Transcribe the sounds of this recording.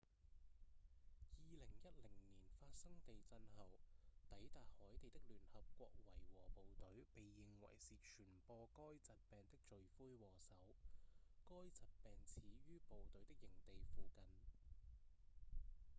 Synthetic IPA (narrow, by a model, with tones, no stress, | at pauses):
jiː˨˧lɪ˨˩ŋjɐ˥t̚lɪ˨˩ŋniː˨˩nfaː˧t̚sɐ˥ŋt̪e˨jt͡sɐ˧nhɐ˨wt̪ɐ˨˥jt̪aː˨t̚hɔː˨˥jt̪e˨jt̪ɪ˥k̚lyː˨˩nhɐ˨p̚kʷɔː˧k̚wɐ˨˩jwɔ̰ː˨˩po˨wt̪ɵ˨˥ɥpe˨jːɪ˨ŋwɐ̰˨˩jsiː˨t͡ʃʰyː˨˩npɔː˧kɔː˥jt͡sɐ˨t̚pɛː˨nt̪ɪ˥k̚t͡ʃɵ˨ɥfuː˥jwɔː˨˩sɐ˨˥w | kɔː˥jt͡sɐ˨t̚pɛː˨ŋt͡sʰiː˨˥jyː˥po˨wt̪ɵ˨˥ɥt̪ɪ˥k̚jɪ˨˩ŋt̪e˨jfuː˨kɐ˨n